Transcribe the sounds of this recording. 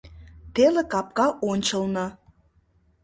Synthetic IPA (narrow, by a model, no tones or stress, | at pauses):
t̪elekɑp̚kɑʔonʲt͡ɕəlnɑ